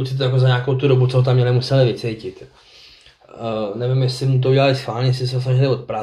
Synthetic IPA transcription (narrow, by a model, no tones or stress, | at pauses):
usɪt̪ojakozaɲaːko̞wt̪udo̞but͡soɦot̪̬amːɲɛlɪmusɛlɪvɪt͡sɛjcɪt̪ | nɛvɪmjɛsɪmt̪̬ouɟɛlalɪsxvaːlɲɛjɛsɪsɛt̪os̬naʒɛlɪvo̞t̪̚pɾa